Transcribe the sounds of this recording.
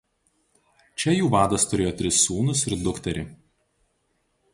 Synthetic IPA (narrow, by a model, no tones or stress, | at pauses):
t͡ʃʲɛjuːʋɑːd̪ɐst̪ʊɾʲeːjoːt̪ʲɾʲɪsːuːnʊsɪɾd̪ʊkt̪ʲɐɾʲɪ